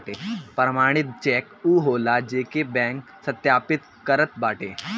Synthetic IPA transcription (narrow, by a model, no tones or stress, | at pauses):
ʈepɾəmaːɽ̃ɪt̪̚t͡ʃɛːkuːɦoːlad͡ʒeːkebɛ̃ːŋk | sɐt̪jaːpɪt̪ | kəɾət̪̚baːʈʰḛː